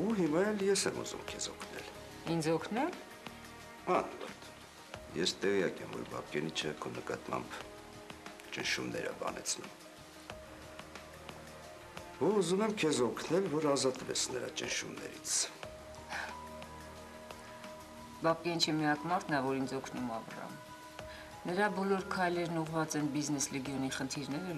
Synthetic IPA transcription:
uɦimɑjɛljɛsɛmṵzṵmkʰɛzɔkʰnɛ̰l | ind͡zɔkʰnɛl | ɑnɔ̰ɾt̪ | jɛst̪ɛʁjɑkɛmvɔ̰ɾbɑ̰p̚kɛnit͡ʃʰɛkʰɔnəkɑt̪mɑ̰mb | t͡ʃənʃumnɛɾəbɑ̰nʔɛ̰t͡sʰnum | vuuzumɛmkʰɛzɔkʰnɛlvɔɾɑzɑt̪vɛt͡sʰnəɾɑ̰t͡ʃənʃumnɛ̰ɾḭt͡sʰ | bɑp̚kɛnt͡ʃʰɛmiɑkmɑɾt̪ʰnɑvɔɾind͡zɔkʰnumɑvrɑ̰m | nəɾɑbɔlɔɾkʰɑjlɛɾnuʁvɑt͡sɛnbiznɛslɛɡjɔniχənt̪ʰiɾnɛɾə

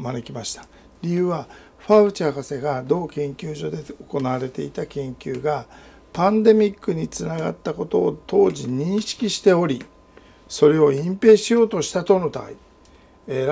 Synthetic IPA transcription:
mane̞kʲimaɕi̥t̪ḁ | ɾʲijɯ̟ːβa | ɸaɯ̟t͡ɕakase̞ɡad̪o̞ːkẽ̞ŋkʲɨːʑo̞d̪e̞oko̞naβaɾe̞t̪e̞it̪akẽ̞ŋkʲɨːɡa | pãnd̪e̞mʲikːɯ̟ɲ̟it͡sɨnaɡa̰t̪ːako̞t̪o̞ːt̪o̞ːʑiɲ̟ĩɰ̃ɕi̥kʲiɕi̥t̪e̞o̞ɾʲi | so̞ɾe̞o̞ĩmpe̞ːɕijo̞ːt̪o̞ɕi̥t̪at̪o̞not̪a̰i | eɾ

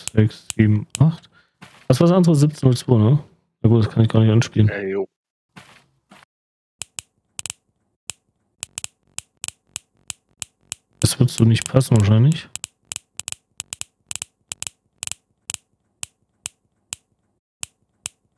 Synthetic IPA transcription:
z̥ɛksz̥iːbm̩ʔaχt | vasv̥aːsʔandəʁəzɪp̚t͡snʊlt͡sv̥oːnə | jaːɡuːtdaskʰanɪçɡ̥aːɐnɪçtʔanʃpiːlən | d̥asv̥ɪɐtz̥oːnɪçtpʰasn̩vaːɐʃaɪnlɪç

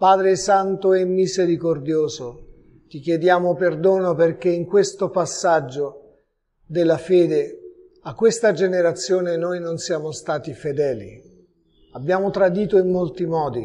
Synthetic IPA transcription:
paːd̪ɾesant̪oɛmːizeɾikord̪joːzo | t̪ik̟jed̪jaːmoperd̪oːnoperk̟eiŋkwest̪opasːad͡ʒːo | d̪elːafeːd̪e | akːwest̪ad͡ʒeneɾat̪sːjoːnenojnonsjaːmost̪aːt̪ifed̪ɛːlḭ | abːjaːmot̪ɾad̪iːt̪oimːolt̪imɔːd̪i

